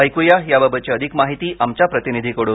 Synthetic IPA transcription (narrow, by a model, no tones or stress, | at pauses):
əjkujajababʱət͡ɕeəd̪ʱikmaɦit̪iːʔamt͡ɕjapɾət̪inid̪ʱikəɽu